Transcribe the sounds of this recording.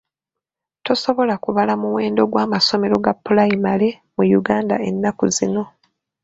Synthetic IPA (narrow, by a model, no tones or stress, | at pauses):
to̞so̞βo̞lakuβalamuwe̞ːndo̞ɡwaːmaso̞me̞ɾo̞ɡapːulaimale̞ | mujuɡaːnda̰e̞nːakuzino̞